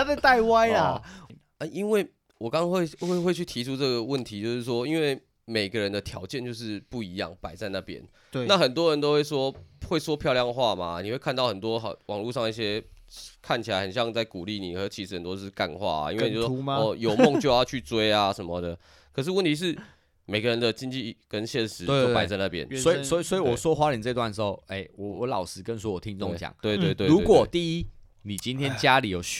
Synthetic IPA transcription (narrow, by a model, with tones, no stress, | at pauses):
a˥t͡sa˥˧t̪a˥˩ɪwa˥ɪa˨˩ | ə˥˧ʔi˥nwe˥˩ | wɔ˨˩kɑ˥ŋɑ˥ŋwe˥˧ɪwe˥˩ɪxwe˥˧ɪt͡ɕʰy˥˩t̪ʰi˧˥ʈ͡ʂʰu˦ʈ͡ʂɤ˥˩ɡə˩wə˥˩nt̪ʰi˨˥t͡ɕjo˥˧ʊʂɻ̩˥˩ʂ̬wɔ˥i˦˥nwe˥˩ɪ | me˨˩ɪɡə˦ɻə˧˦nd̪ə˨t̪ʰjɑ̰˧˥ʊt͡ɕjɛ˥˧nt͡ɕjo˥˧ʊʂ̬ɻ̩˥˧pu˥˩i˧˥jɑ̰˥˩ŋpa˨˩ɪt͡sa˥˧ɪna˥˩pjɛ̰˦n | na˥˩xə˨˩nt̪̬wɔ˥ɻə˧˦nt̪o˥xwe˥˩ɪswɔ˥xwe˥˩ɪswɔ˥pʰjʊjɑ˥˧ŋxwa˥˨ma˩ni˨˩we˥˧kʰa˥˧nt̪ɑ˥˩ʊxə˨˩nt̪wɔ˦˥˨wʔɑ̰˨˩ŋlu˥˧ʂɑ˥˧ŋi˥˩ɕ̬jɛ˥kʰa˥˩nt͡ɕʰi˨˩a˧ɪxə˨˩nɕjɑ˥˧ŋt͡sa˥˩ɪku˨˩li˥˨ni˨˩xɤ˧˦t͡ɕʰi˧˥ʂɻ̩˥˩hə˨˩nt̪wɔ˥˧ka̰˥˧˨nxwa̰˥˩a̰˨˦ḭ˥we˥˩˨jjo˨˧˩ʊmɔ˥˧ŋt͡ɕjo˥˧ʊjɑ˥˧ʊt͡ɕʰy˥˩t͡swe˥˦ɪa˧ʂə˨nmə˨d̪ə˩ | kʰə˨˩ʂ̬ɻ̩˥˧wə˥˨nt̪ʰi˧ʂ̬ɻ̩˥˩ | me˨˩ɪɡə˧ɻə˧˦nd̪ə˨t͡ɕi˦˥nt͡ɕi˥˨kə˦nɕjɛ˥˩nʂɻ̩˨˦o˥˩pa˧˦ɪt͡sa˥˧ɪna˥˩pjɛ̰˦nsɔ˦˥i˨swɔ˧˥i˨˩swɔ˧˥i˨wɔ˨˩swɔ˦˥xwa˥ɻə˨˩t͡sɤ˥˧i˧t̪wa˥˩nʂ̩˧˦xo˥˩ʊe˥˩ɪwɔ˨˩wɔ˨˦lɑ˨˩ʊʂɻ̩˧˥kə˥˧nswɔ˥wɔ˨˩t̪ʰi˦ŋt͡so˥˧ŋt͡ɕja̰˨˩˦ŋt̪e˥˧t̪we˥˧t̪we˥˧˨u˨˦˥kwɔ˥˨˩t̪i˥˩i˦˥ | ni˨˩t͡ɕi˦nt̪ʰjɛ˥nt͡ɕja˦li˨˩jo˨˩